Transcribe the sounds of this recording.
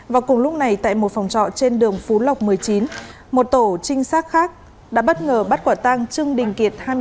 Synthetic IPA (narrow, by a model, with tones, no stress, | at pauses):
vaː˨˩kʊ˨˩ŋ͡mlʊ˦˥k͡p̚na˨˩jt̪a̰ː˧˨jmo˨˩t̚fa˨˩wŋ͡mt͡ɕɔ̰˧˨t͡ɕe˧nɗɨ˨˩əŋfu˨˦la˨˩wk͡p̚mɨ˨˩əjt͡ɕi˨˦n | mo˨˩t̚t̪o˧˩t͡ɕï˧ŋ̟saː˦˥k̚xaː˦˥k̚ | ɗa̰ː˧˥ɓə˦˥t̚ŋəː˨˩ɓə˦˥t̚kwaː˧˩t̪a˧ŋt͡ɕɨ˧əŋɗï˨˩ŋ̟ki˨˩ət̚haː˧j